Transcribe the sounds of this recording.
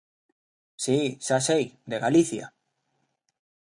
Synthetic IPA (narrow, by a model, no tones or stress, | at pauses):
sisasejd̪eɣaliθja̰